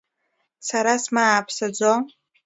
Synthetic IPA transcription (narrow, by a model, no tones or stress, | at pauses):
saɾasmaːpʰsad͡zʷo